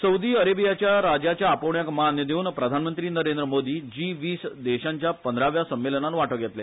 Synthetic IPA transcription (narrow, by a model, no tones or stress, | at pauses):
səud̪iːəɾebijat͡ɕjaɾad͡ʑjat͡ɕjaːpəʋɳjakmanjəd̪euːnpɾəd̪ʱanmənt̪ɾiːnəɾend̪ɾəmod̪iːd͡ʑiːʋiːsd̪ɛɕaɲt͡ɕjapənd̪ʱɾaʋjasəmːelənanʋaʈəɡjɛt̪le